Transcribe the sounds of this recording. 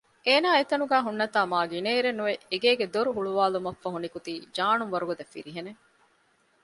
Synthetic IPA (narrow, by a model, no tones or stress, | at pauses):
eːnaːet̪ɐnuɡæːɦunːɐt̪aːmaːɡineːɾenːuʋeʔeɡeːɡed̪oɾuɦuɭuʋaːlumɐfːɐɦunikut̪iːd͡ʒaːnunʋɐɾuɡod̪ɐfːḭɾiɦene